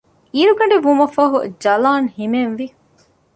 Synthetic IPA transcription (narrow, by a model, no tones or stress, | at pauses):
iːɾuɡɐɳɖeʋumɐfɐɦṵd͡ʒɐlaːnhimenʋi